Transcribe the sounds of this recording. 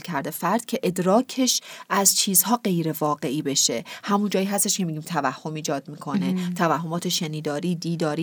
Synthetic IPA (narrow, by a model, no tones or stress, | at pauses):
lcʰæɾd̪e̞fæɾd̪̥cʰe̞ʔed̪ɾɒːcʰe̞ʃʔæzt͡ʃʰiːzhɒːɢe̞jɾe̞vɒːɢe̞ʔiːbe̞ʃe̞̰hæmund͡ʒɒːjiːɦæst̪e̞ʃcʰe̞miːɟiːmt̪ʰævæhːo̞miːd͡ʒɒːd̪̥̚miːkʰo̞ne̞t̪ʰævæhɦːo̞mɒːt̪ʰe̞ʃeniːd̪ɒːɾiːd̪iːd̪ɒːɾiː